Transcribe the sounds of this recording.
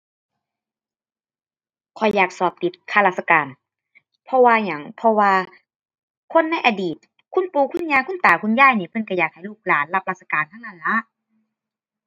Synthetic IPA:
kʰɔ˨˩jːaː˨˩k̚sɔː˨˩p̚t̪i˨˦t̪̚kʰaː˧˩la˧t̪̚sa˧kaː˨˩n | pʰɔ˧waː˧ɲa˨˦ŋpʰɔ˧waː˧ | kʰo˧˥˨nːa˧˥˨jʔa˨diː˨˩t̪̚ | kʰu˧˥˨npuː˧kʰu˧˥˨nɲaː˧˨kʰu˧˥˨nt̪aː˨˩kʰu˧˥˨njaː˧˩˨jniː˧˩pʰɤ˧˥˨nka˧˩jaː˨˩k̚ha˨˩jluː˧˥˩k̚laː˨˦nla˧˩p̚la˧t̪̚sa˧kaː˨˩nh̪ʰa˧˥˨na˧˩˨nla˧˥ʔ

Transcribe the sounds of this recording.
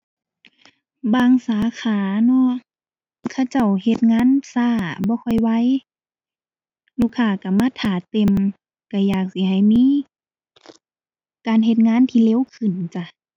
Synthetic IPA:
baː˧ŋsaː˨˦kʰaː˨˦nɔ˧˦ | kʰa˧˩t͡ɕa˧˩whe˧˩t̪̚ŋaː˧˥˨nsaː˧˩˨bɔː˧˦kʰɔ˧˩jwa˧˥˨j | lu˧˨kʰːaː˧˩ka˧˩maː˧˥˨t̪ʰaː˨˩t̪e˧˨m | ka˧˩jaː˨˩k̚si˧˦ɦa˨˩jmiː˧˥˨ | kaː˨nɦe˧˦t̪̚ŋaː˧˥˨nt̪ʰiː˧˨le˧˥˨wkʰɯ˨˩˨nt͡ɕa˧˩

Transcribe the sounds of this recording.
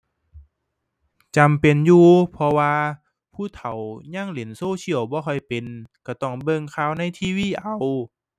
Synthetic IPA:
t͡ɕa˨mpe˨njuː˧pʰɔ˧waː˧ | pʰuː˧˥˩t̪ʰa˨˦wɲaː˧˥˩ŋle˨˩˦nsoː˧˥˨t͡ɕi˧˨əwbɔː˧˦xʰɔ˧˩jpe˨nka˧˩t̪ɔ˧˩ŋbɤ˧˨ŋkʰaː˧˥˩wna˧˥˨jt̪ʰiː˧˨wiː˧˥˨ʔa˨˦w

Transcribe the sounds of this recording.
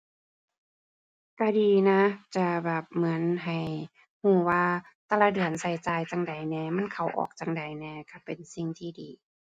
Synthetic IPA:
ka˧˩diː˨˧na˧˥t͡ɕa˧˩bɛː˨˩p̚mɯ˩˦ə˦nɦa˨˩j | huː˧˩waː˧ | t̪a˧la˧˩dɯ˨˩ənsa˧˩jt͡ɕaː˨˧˩jt͡ɕa˧ŋda˨˩jnɛː˧˩ma˧˥˨nkʰa˨˧˩wʔɔ̰ː˨˩k̚t͡ɕa˧˩ŋda˨˩jnɛː˧˩ka˧˩pe˨nsi˧˩ŋt̪ʰiː˧diː˨˦

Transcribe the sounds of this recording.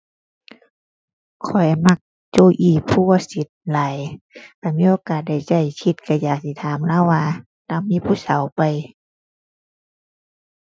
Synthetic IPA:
kʰɔ˨˩jma˧˩k̚ | t͡ɕoː˧˩ʔiː˧˩pʰuː˧˩ɐ˧˨si˧˦t̪̚laː˨˦jka˧˩miː˧˥˨ʔoː˧kaː˨˩t̪̚da˧˩jt͡ɕa˧˩jkʰi˧˦t̪̚ka˧˩jaː˨˩k̚si˧˩t̪ʰaː˨˦mla˧˥˨waː˧ | t̪a˧˥˨miː˧˥˨pʰuː˧˨sa˨˦wpa˨j

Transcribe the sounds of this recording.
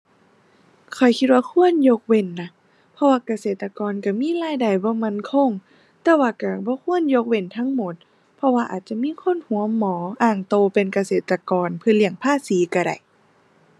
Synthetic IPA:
kʰɔ˨˩jkʰi˧t̪̚waː˧kʰu˧˥˨ənjo˧k̚we˧˩nːa˧˩ | pʰɔ˧waː˧ka˧seː˨˩t̪ːa˧kɔː˨nka˧˩miː˧˥˨laː˧˥˨jda˨˩jbɔː˧˦ma˧˥˨nkʰo˧˨ŋ | t̪ɛː˧waː˧ka˧˩bɔː˧˦kʰu˧˥˨ənjo˧k̚we˧˩˨nt̪ʰa˧˥˨ŋmo˧˦t̪̚ | pʰɔ˧waː˧ʔaː˨˩t̪̚t͡ɕa˧˨miː˧˥˨kʰo˧˥˨nhu˨˧˦əmːɔː˨˦ʔaː˧˩ŋt̪oː˧pe˨nka˧seː˨˩t̪ːa˧kɔː˨npʰɯ˧˨li˧˩əŋpʰaː˧˥˨siː˨˦ka˧˩ɾa̰˨˩j

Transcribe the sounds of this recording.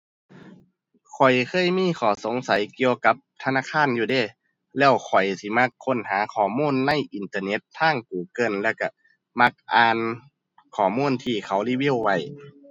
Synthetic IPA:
kʰɔ˨˩jkʰɤː˧˥˨jmiː˧˥˨kʰɔː˨˧˩so˨˦ŋsa˨˦jki˧əwka˧˦p̚t̪ʰa˧naː˧˥˨kʰaː˧˥˨njuː˧˩deː˧˩ | lɛː˧˩wkʰɔ˨˩jsi˧˦ma˧˥kʰːo˧˥˨nhaː˨˦kʰɔː˨˩muː˧˥˨nːa˧˥˨jʔi˨nt̪ɤː˧ne˧˥t̪̚ʰːaː˧˥˨ŋk̚uː˨˩kɤː˧˨nlɛː˧˩wka˧˩ | ma˧˥k̚ʔaː˧n | kʰɔː˨˩muː˧˥˨nt̪ʰiː˧˩kʰa˨˦wliː˧˩wi˧˥˨wːa˧˩j

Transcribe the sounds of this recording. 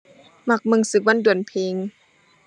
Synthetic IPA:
ma˧˩k̚mɯ˧˨ŋsɯ˨˩k̚wa˧˥˨ndu˨˩ənpʰeː˧ŋ

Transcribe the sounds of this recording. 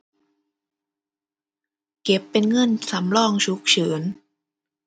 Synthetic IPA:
ke˨˩pːe˧nŋɤ˧˥˨nsa˩˦mlɔː˥˩ŋt͡ɕʰu˦˥k̚t͡ɕʰɯː˩˦n

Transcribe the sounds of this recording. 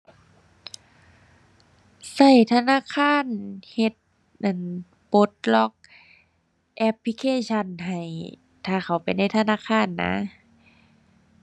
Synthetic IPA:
sa˧˩jt̪ʰa˧naː˧˥˨kʰaː˧˥˨nhe˧t̪̚ | ʔa˧˩n | po˧˦t̪̚lɔ˧˥k̚ | ʔɛ˧˥pʰli˧˥kʰeː˧˥˨ɕʰa˧˩˨nɦa˨˩j | t̪ʰaː˧˩xʰa˧˩wpa˨jna˧˥˩jt̪ʰa˧naː˧˥˨kʰaː˧˥˨nːa̰˧˥

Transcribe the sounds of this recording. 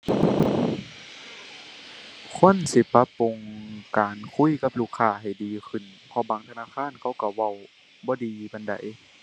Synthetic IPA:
kʰo˧˥˨nsi˧˦pa˧˥pːu˨˩ŋkaː˨˩nkʰu˧˥˨jka˧˥p̚luː˧˩kʰːaː˧˩ɦa˨˩jdiː˨kʰɯ˧˩˨npʰɔ˧˦baː˨˦ŋt̪ʰa˧naː˧˥˨kʰaː˧˥˨nkʰa˧˥˩wka˧˩wa˧˩w | bɔː˧˦diː˨ba˨˧˨nda̰˨j

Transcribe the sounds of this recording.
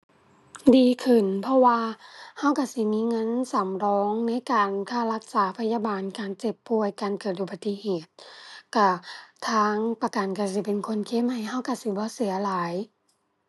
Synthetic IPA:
diː˨kʰɯ˧˩˨npʰɔ˧waː˧ha˧˩˨wka˧˩si˧˦miː˧˥˨ŋɤ˧˥˨nsa˨˦mɾɔː˧˥ŋna˧˥˨jkaː˨nkʰaː˧˩la˧k̚saː˨˦pʰa˧˨jaː˧baː˨nkaː˨nt͡ɕe˧˩pːu˧˩əjkaː˨nkɤː˨˩t̪̚ʔuː˧˩pa˧t̪ːi˧heː˨˩t̪̚ka˧˩t̪ʰaː˧˥ŋpa˧ka˨˩nka˧˩s̬i˧˩pe˨nkʰo˧˥˨nkʰe˧˥˨mha˧˩jɦa˧˥˩wka˧˩si˧˦bɔː˧˦si˨˦ɐlaː˨˦j

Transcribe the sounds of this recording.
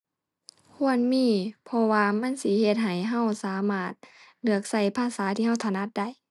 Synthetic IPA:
kʰu˧˥ənmiː˧˩˨pʰɔ˧waː˧ma˧˥˨nsi˧˦he˧t̪̚ɦa˨˩jɦa˧˥˩wsaː˨˦maː˧˩t̪̚nɯ˧˩ək̚sa˧˩jpʰaː˧˥˨saː˨˦t̪ʰiː˧ɦa˧˥˩wt̪ʰa˧˨na˧˥˩t̪̚da˧˩˨j

